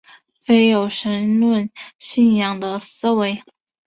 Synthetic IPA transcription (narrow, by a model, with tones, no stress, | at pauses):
fe˥ɪjo˨˩ʊʂə˧˥nlwə˥˧nɕi˥˩njɑ˨˩ŋd̪ə˨sɹ̩˥we˧˥ɪ